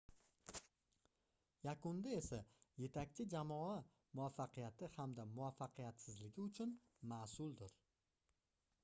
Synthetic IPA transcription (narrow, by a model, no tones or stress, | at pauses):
jakʊnd̪ae̞saje̞t̪ʰakʲt͡ʃʰɪd͡ʒamɒa | mʊafːaqɨjat̪ɪhamd̪amʊafːaqʰɨjat̪sɪzlɪɡʲɪʊt͡ʃʰʊn | masʊlˠd̪ɪɾ